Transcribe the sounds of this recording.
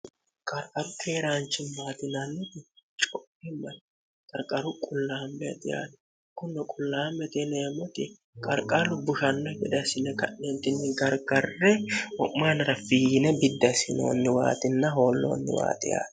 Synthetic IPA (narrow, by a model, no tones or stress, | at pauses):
kʼɐɾkʼɐɾʊkʰeːɾaːnt͡ʃːɪnmaːt̪ɪnɐnːɪt̪ɪt͡ʃʼɔpːɪmːɐn | kʼɐɾkʼɐɾʊkʼʊlːaːmːɛt̪ɪja̰ːn | kʊnːɔkʼʊlːaːmːɛt̪ɛneːmɔt̪ɪ | kʼɐɾkʼɐlʊbʊʃɐnːɔɡɛd̪ɐsɪnɛkɐnːɛnt̪ɪnːɪɡɐɾɡɐrːɛwɔʔmaːnɪɾɐfiːnɛbɪd̪ːɐsɪno̰ːnːɪwa̰ːt̪ɪnːɐɦo̞ːlːo̰ːnːɪ̰wa̰ːt̪ʼɪja̰ːn